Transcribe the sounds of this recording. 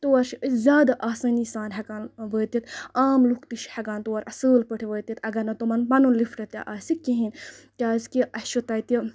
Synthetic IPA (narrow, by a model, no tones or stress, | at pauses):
t̪oɐɾʃzʲjaːd̪aʔaːsɐːnisaːnɦɐkaːnʋəːt̪it̪aːmlukt̪iʃhɐɡaːnt̪oːɐɾʔɐsəːlpəʈʰiʋəːt̪it̪ɐɡɐɾnɐt̪omɐnbɐnunlifʰʈɐt̪ʲja̰ʔaːsikːiɦink̪ʲaːskiʔɐʃut̪ɐjt̪i